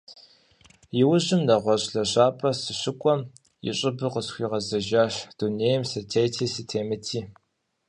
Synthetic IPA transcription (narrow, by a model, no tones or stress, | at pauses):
jɪwʊʑɪmnɐʁʷɔɕʼɬɐɕaːpʼɐsɨɕɪkʷʼɔm | jɪ̰ɕʼɪbɨqəsxʷiːʁɐzɐʒaːɕd̥uneːjɛmsɐtʰeːjtʰiːsɨtʰeːmɨtʰiː